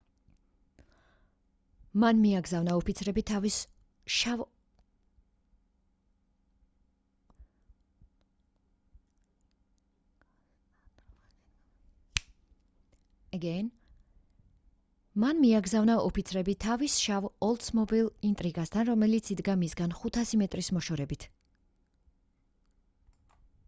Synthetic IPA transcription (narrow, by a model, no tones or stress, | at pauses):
manmiaɡzavnaɔpʰit̪sʰɾɛbit̪ʰavis | ʃa | ɛɡɛn | manmiaɡzavnaɔpʰit̪sʰɾɛbit̪ʰavisʃavɔlˠt̪smɔbilˠint̪ʼɾiɡast̪ʰanɾɔmɛlit̪sʰid̪ɡamisɡanχut̪ʰasimɛt̪ʼɾismɔʃɔɾɛbit̪ʰ